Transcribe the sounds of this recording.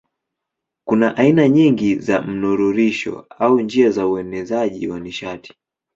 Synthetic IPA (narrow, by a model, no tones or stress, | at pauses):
kunaʔainaɲiŋɡiza̰m̩nuɾuɾiʃɔ̰auɲd͡ʒiazauɛnɛzaʄiwaniʃati̥